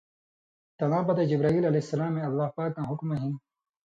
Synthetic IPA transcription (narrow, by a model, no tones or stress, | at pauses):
t̪ɐnaːbɐt̪ed͡ʑibɾaːiːlɐleisːɐlaːmːẽɐlːaːhpaːkːãːɦʊkmɐɦĩn